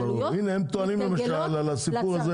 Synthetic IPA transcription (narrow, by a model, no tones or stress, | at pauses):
inehemt̪oanimlemaʃalalasipuʁaze